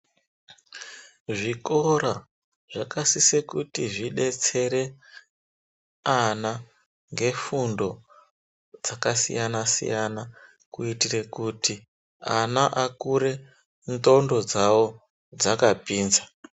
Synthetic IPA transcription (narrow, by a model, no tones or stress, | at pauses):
ʐikoɾa | ʐakasisekutiʐiɗe̞t͡se̞ɾe̞ | ana | ŋɡe̞fundo̞ | d͡zakasḭjanasḭjana | kuitire̞kuti | anaʔakuɾe̞ | nto̞ndo̞d͡zawo̞ | d͡zakapiːnza